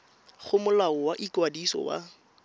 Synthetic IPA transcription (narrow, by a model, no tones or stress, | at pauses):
χʊmʊlaɔwaʔikwadisɔ̰wa̰